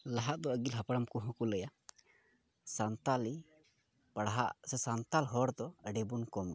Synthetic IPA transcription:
laɦaʔd̪ɔəɡilɦapaɽamkuɦɔ̃kuləja | sant̪ali | paɽaɦa̰ʔsɛsant̪alɦɔɾd̪ɔəɖɛbunkɔm

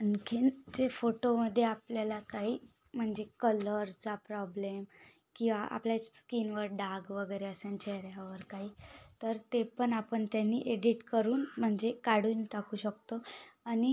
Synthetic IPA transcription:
ənkʰind͡ʑefoʈoməd̪ʱːjeapljalakaɦiː | m̤əɳd͡zekələɾt͡sapɾɔblem | kĩw̃ʋaʔa̰pljaskinʋəɾɖaɡʋəɡəjɾeəsənt͡ɕeɾjaʋəɾkaɦiːt̪əɾt̪epəɳapəɳt̪janːḭʔeɽiʈkəɾuːnm̤əɳd͡zekaɽuːnʈakuːɕək̚t̪oani

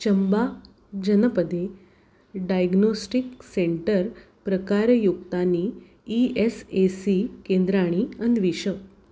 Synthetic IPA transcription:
t͡ɕəmba | d͡ʑənəpəd̪e | ɖajɡnosʈikseɳʈəɾ | pɾəkaɾjukt̪aniː | esesikend̪ɾaɽ̃iənʋiɕək

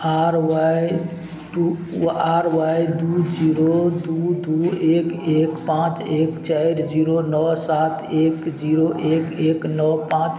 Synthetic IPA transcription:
aɾwaj | ʈuaɾʋajd̪ud͡ʒiɾod̪ud̪uekekpãt͡ʃekt͡ʃaɪɾd͡ʒiɾonɔsat̪ʰekd͡ʒiɾoʔekeknɔpãt͡ʃ

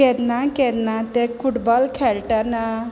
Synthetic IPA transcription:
et̪naket̪nat̪ekʰuʈbɔlkʰelʈəna

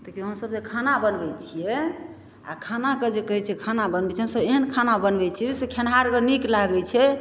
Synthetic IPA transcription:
t̪əkiɦəmsəb̚sekʰanabənbɛt͡ʃʰijɛ | a̰kʰanaked͡ʒekəɦɛt͡ʃʰiɛkʰanabənbɛt͡ʃʰɛɦəmsəbeɦənkʰanabənbɛt͡ʃʰisekʰenɦaɾkeniklaɡɛt͡ʃʰɛ

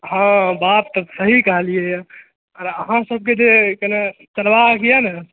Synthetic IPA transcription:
ɦãbat̪ːəsəɦikəɦlijeja | əɾəɦãsəb̚ʱked͡ʒekənat͡ʃəlʋakijanə

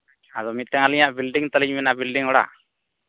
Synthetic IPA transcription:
aðɔmit̪̚t̪ːɛŋaliɲaʔbilɖiŋt̪aliɲmɛnaʔbilɖiŋɔɽa̰

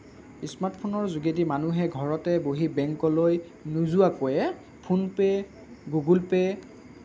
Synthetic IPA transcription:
ismaɹtpʰonɔɹzuɡet̬imanuɦɛɡʱɔɹɔtɛboɦibɛŋkɔloj | nuzuakojɛ | pʰunpɛ | ɡuɡulpɛ

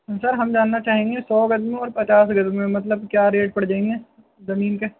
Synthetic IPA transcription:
sɐɾɦɐmd͡ʒaːnːat͡ʃaːɦẽːŋɡesɔːɡɐd̪mɔːɾpɐt͡ʃaːsɡɐd̪mːẽmɐt̪ləb̚kjaːɾeːʈ̚pɐɽd͡ʒaːẽːŋɡe | zɐmiːnke

